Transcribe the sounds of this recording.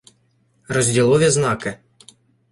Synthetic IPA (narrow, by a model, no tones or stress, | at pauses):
rɔzʲdʲilˠɔʋʲiznɑkɪ